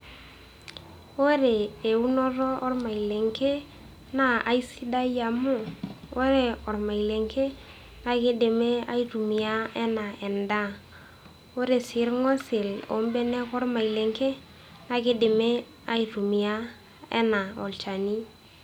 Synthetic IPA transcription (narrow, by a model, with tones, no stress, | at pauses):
o˦ɾe˨e˨u˦nɔ˦ɾɔ˦ɔ˦rma˨i˨le˨ŋke˦ | na˦a˨i˦si˦da˦ja˨mʊ˦˨o˦ɾe˨ɔ˨ɾma˨i˨le˨ŋkʰe˦ | na˦kɪ˦de˨me˦a˦i˦ɾu˨mi˨a˦ɛ˦na˨ʔɛ˨nda˦ | o˦ɾe˨sɪ˨˦ɾŋɔ˦se˨lo̰˨˦m˦bɛ˦nɛ˦kɔ˦ɾma˨i˨le˨ŋke˦ | na˨kɪ˦dɪ˨me˦ | a˦i˨ɾu˨mi˨a˦ | ɛ̰˦na˨ɔ̰˨lt͡ʃa˨ni˦